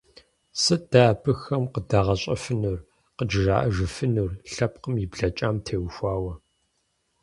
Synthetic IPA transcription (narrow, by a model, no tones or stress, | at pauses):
sɨd̥aːpʰɨxɐmqədaʁɐɕʼɐfɨnuːr | qəd͡ʒɪʒa̰ːʔɐʒɨfɨnurɬɐpqəmjɪbɮɐt͡ʃʼaːmtʰeːwxʷaːwɐ